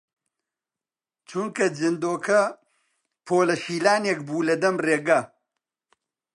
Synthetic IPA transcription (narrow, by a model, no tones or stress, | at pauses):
t͡ʃuŋkɐd͡ʒɨnd̪oːkʰɐ | pʰoːlɐʃiːlaːneːkbuːlɐd̪ɐmreːɡɐ